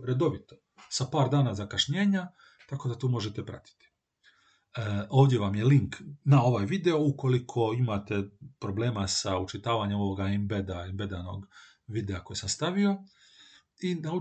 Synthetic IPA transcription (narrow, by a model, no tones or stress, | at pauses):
ɾe̞d̪o̞ʋit̪o̞̥ | sapaːɾd̪aːnazakaʃɲeːɲa | t̪ako̞d̪at̪uːmo̞ʒet̪epɾa̰t̪i̥t̪i̥ | o̞ːʋd̪jeʋamje̞liŋknao̞ʋajʋid̪e̞o̞uko̞likʰo̞imat̪e̞pɾo̞ble̞ːmasaut͡ʃit̪aːʋaɲemo̞ʋoɡaembed̪aembe̞d̪ano̞̰ɡ | ʋid̪eako̞jesamst̪aʋio̞ | inau